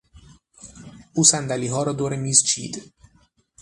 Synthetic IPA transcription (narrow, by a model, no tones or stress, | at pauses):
usænd̪æliɦɒːɾɔd̪oɾemiːzt͡ʃʰḭːd̪